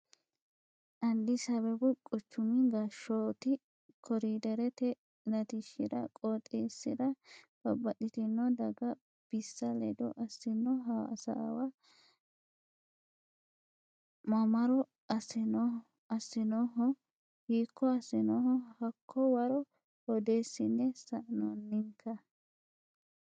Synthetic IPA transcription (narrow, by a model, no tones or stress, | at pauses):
ʔɐnd̪ɪsɐβɛbʊkʼɔt͡ʃːʊmɪɡɐʃoːt̪ɪ | kʰɔɾid̪ɛɾɛt̪ɛ | nɐt̪ɪʃːɪd̪ɐkʼot̪ʼːeːsːɪd̪ɐb̥ɐbːɐɗɪt̪ɪnːɔd̪ɐɡɐ | b̥ɪsːɐlɛ̰d̪ɔ̰ʔɐsːɪnːɔɦaːsa̰wɐ | mɐmɐɾɔ | ɐsɪn | ɐsːɪnɔɦɔ | hiːkʰːɔɐsːɪnɔhɔhɐkʰːɔwɐɾɔ | hɔd̪eːsːɪnːɛsɐʔnɔnːɪŋkʰːɐ